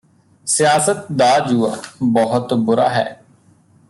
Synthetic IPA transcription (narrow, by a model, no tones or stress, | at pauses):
sɪjaːsət̪̚d̪aːd͡ʒuːaːbɔɦʊt̪bʊɾa̰ːɦɛ̰ː